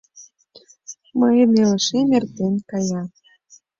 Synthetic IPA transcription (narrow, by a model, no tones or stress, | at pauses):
məjənelə̆ʃemert̪enkɑjɑ